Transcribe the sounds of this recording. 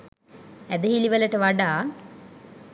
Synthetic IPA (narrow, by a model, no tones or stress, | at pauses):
æd̪əɦiliʋələʈəʋaɖaː